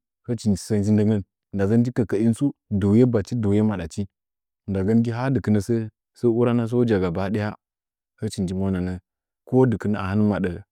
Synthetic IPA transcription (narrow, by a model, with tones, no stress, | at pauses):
hə˦t͡ʃi˨nd͡ʒi˨sə˦nd͡ʒi˦ndə˦ŋə˦n˨ | nda˨ɡə˦n˦d͡ʒi˦kə˨kə˨i˦n˦su˦do˨je˦ba˨t͡ʃi˦do˨je˦ma˨ɗa˨t͡ʃi˦˨ | nda˨ɡə˦nɡi˦ɦa˦dɨ˨kɨ˦nə˨sə˦ | sə˦u˦ɾa˦na˦s̬o˦d͡ʒa˨ɡa˨ba˨˦ɗi˦ja˦ | hə˦t͡ʃi˨nd͡ʒi˦mo˦na˨nə˦ | ko˦dɨ˨kə˦na˨a˨ha˦n˦ma˨ɗə˨